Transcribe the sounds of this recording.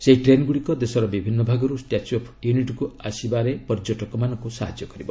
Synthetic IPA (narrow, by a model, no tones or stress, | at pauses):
seiʈɾenɡuɽikɔd̪esɔɾɔbibʱinːɔbʱaɡɔɾusʈjat͡ʃɔpʰjuniʈɔkuasibaɾepɔɾd͡ʒɔʈɔkɔmanɔŋkusaɦad͡ʒjɔkɔɾibɔ